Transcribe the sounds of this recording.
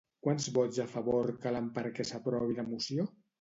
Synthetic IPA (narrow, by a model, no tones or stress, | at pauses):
kwanzβɔzafəβoɾkalampəɾkɛsapɾɔβinəmusjo